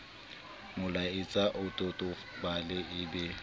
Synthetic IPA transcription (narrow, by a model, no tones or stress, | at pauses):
mʊlaɪt͡sʼaʔʊtʼʊtʼʊ | balɪʔɪbɪ